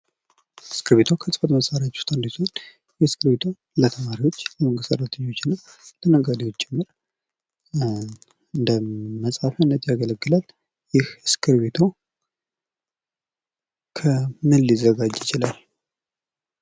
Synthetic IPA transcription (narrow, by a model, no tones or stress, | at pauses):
ɨskʰɨɾbe̞t̪ʰokʰəsʼɨfət̪məsʼaɾjat͡ʃːu̥st̪and̪izuon | jɛskɨɾbe̞t̪ʰo | lət̪ʰəmaɾiwo̞t͡ʃːləməŋɡɨst̪əɾat̪ʰɨɲːo̞t͡ʃːɪnːəw | lʰənəɡad̪iwot͡ʃːt͡ʃʼːɛmːɨɾ | ɨnd̪əməsʼhafanːət̪ʼjaɡələɡːɨlal | jɪhɨskʰɨɾbe̞t̪ʰo̞ | kʰəmɨlːizəɡad͡ʒjɪt͡ʃɪlal